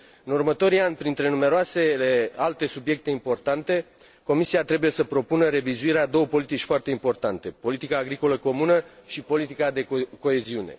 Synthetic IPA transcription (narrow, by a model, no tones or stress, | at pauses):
ɨnurmət̪o̞ɾianʲpɾint̪ɾe̞nume̞ɾoase̞lealt̪e̞subje̞k̚t̪e̞impo̞rt̪ant̪e̞ | ko̞misiat̪ɾe̞buje̞səpɾo̞punəɾe̞vizuiɾead̪o̞wəpo̞lit̪it͡ʃʲfoart̪e̞impo̞rt̪ant̪e̞po̞lit̪ikaːɡɾiko̞ləko̞munəʃipo̞lit̪ikad̪e̞ko̞e̞ziune̞̰